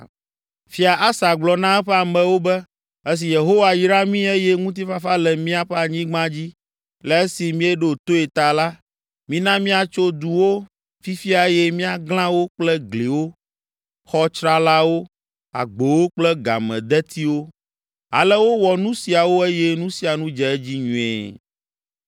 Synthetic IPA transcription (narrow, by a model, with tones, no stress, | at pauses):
fi˦a˨ʔa˦sa˨ɡ͡blɔ˨nã˦ɛ˦ɸɛ˦a˨mɛ̃˨wo˦bɛ˦ | e˦s̬i˨je˨ɦo˦wa˨ji˦ɾa˦mĩ˦e˦jɛ˦ŋũ˦t̪̬i˦fa˦fa˦lɛ˨mĩ˦a˨ɸɛ˦a˨ɲĩ˦ɡ͡bã˦d͡ʑi˦ | lɛ˨˦e˦si˨mĩ˦ɛ˦ɖo˨t̪o˦e˨t̪a˨la˦ | mĩ˦nã˦mĩ˦a˨t͡ʃo˦d̪u˨wo˦ | fi˦fi˦a˨ɛ˦jɛ˦mĩ˦a˨ɡl̃ã˦wo˦k͡plɛ˦ɡle˨wo˦ | xɔ˦t͡ʃɾa˦la˦wo˦ | a̰˨ɡ͡bo˨wo˦k͡plɛ˦ɡa̰˨mɛ̰̃˨d̪ɛ˦t̪ʰi˦wo˦ | a̰˨lɛ˦wo˦wɔ˨nũ˦si˨a˨wo˦e˦jɛ˦nũ˦si˨a˨nũ˦d͡ʒɛ˨ɛ˦d͡ʑi˦ɲũ˨ɛ̰˨